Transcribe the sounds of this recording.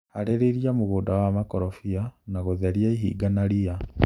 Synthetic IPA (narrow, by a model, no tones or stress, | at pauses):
haɾeɾeɾiamoɣoːdawamakɔɾɔfianaɣoðɛɾiaiɦḭːɡanaɾia